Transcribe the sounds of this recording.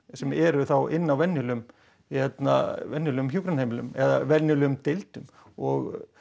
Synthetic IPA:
sɛmɛɾʏθawɪnːawvɛnːʏlʏm | hɛt̪na̰vɛnːjʏlœʏmçjukɾanhejmɪlʏ̰mɛðavɛnjʏlœʏmt̪elt̪ʏm | ɔɣ

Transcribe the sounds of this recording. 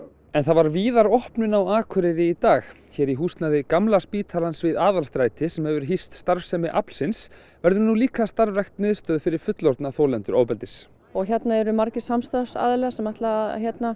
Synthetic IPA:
ɛnθaðvaɾviːðaɾɔhpnʏnawaːkʰœɾɪɾɪit̪aːx | çɛːɾiɦuːst̪naðɪkamlaspiːt̪ʰalansvɪðaːðalst̪ɾaːjt̪ʰɪsɛmhɛvʏɾ̥ɦist̪st̪aɾfsɛmɪʔapl̥sɪns | vɛɾðʏɾnuliːkast̪aɾvɾɛxt̪nɪðst̪œːðfɪɾɪɾ̥fʏt̪lɔɾt̪naθoːwlɛnt̪ʏɾʔoːwpɛlt̪ɪs | ɔɣçɛt̪naɛɾʏmaɾcɪsamst̪afsa̰ːðlɛɣasɛmaht̪laçjɛt̪na

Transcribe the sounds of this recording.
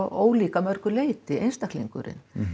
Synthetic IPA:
oːwliːkamœɾkʏleːjt̪ɪejnst̪ak̪liŋkʏ̰ɾɪ̰n

